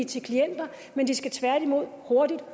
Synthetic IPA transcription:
it͡sʰe̝lkʰlien̰d̥ɐ | mend̥isɡ̥æt͡sʰʋæɐɾ̥imo̝ð̞̰ˠho̝ɐd̥id̥

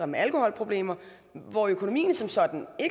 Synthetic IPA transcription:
ɐmeælkʰo̝hɒ̽l̰pʰʁo̝b̥le̝̰ːmɐ | ʋɒøkʰo̝nomḭːnəsɒ̽msɒ̽d̥n̩e̝ɡ̥

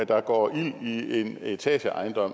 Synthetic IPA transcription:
d̥ɑ̈ɡ̥ɒ̰ːʔil̰ie̝ne̝t͡sʰɛ̰ːɕəʔɑ̈ɪnd̥ɒ̽m̰

